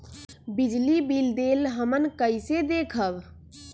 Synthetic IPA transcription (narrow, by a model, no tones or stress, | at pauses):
bɪd͡ʒlibild̪eːlɦəmənkəised̪eːkʰəb